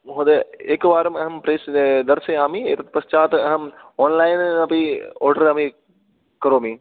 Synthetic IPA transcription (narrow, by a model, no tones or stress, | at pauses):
ɦod̪ɐeːkːɨʋaːɾɐmɐɦɐmpɾeːsd̪ɐɾseaːmieːt̪ɐt̪̚pɐst͡ʃaːt̪ɨɐɦɐm | oːnlajnɐpioːɾɖɐɾaːmi | kɐɾoːmi